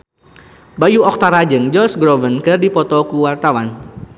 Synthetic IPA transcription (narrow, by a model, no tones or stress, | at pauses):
bajuɔk̚t̪aɾad͡ʒəŋd͡ʒɔsɡɾɔvənkərdipɔt̪ɔkuwart̪awan